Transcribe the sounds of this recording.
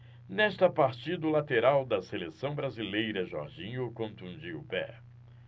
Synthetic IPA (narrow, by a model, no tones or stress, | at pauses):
nɛst̪ɐpaɾt͡ʃid̪ʊlat̪eɾawd̪ɐselesɐ̃w̃bɾazilejɾɐʒɔ̰ɾʒĩɲʊkõnt̪ũd͡ʒiʊpɛ̰